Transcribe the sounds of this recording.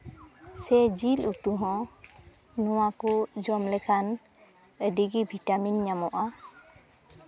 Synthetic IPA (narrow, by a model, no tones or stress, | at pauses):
sɛd͡ʒilut̪uɦɔ̃ | nɔwakud͡ʒɔmlɛkʰan | əɖiɡibʱiʈaminɲamɔʔa